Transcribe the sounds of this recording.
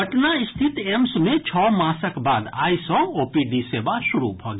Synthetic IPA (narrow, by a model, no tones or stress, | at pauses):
ɐʈnaɪst̪ʰɪt̪emsmẽt͡ʃʰɔːmãːsəkbaːd̪a̰ːisɔ̃oːpiɖisebad̪ʃʊɾṵbʱoːɡ